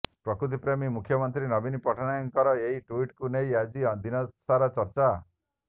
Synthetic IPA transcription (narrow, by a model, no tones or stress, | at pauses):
pɾɔkɾut̪̬ipɾemimukʰjɔmɔnt̪ɾinɔbinipɔʈʰɔñajɔŋkɔɾɔeɦiʈuiʈkunejad͡ʒid̪inɔsaɾɔt͡ʃɔɾt͡ʃa